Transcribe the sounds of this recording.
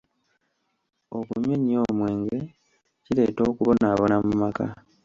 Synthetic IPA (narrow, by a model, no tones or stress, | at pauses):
o̞kuɲeɲio̞ːmwe̞ːŋɡe̞ | cile̞ːto̞ːkuβo̞naːβo̞namumaka̰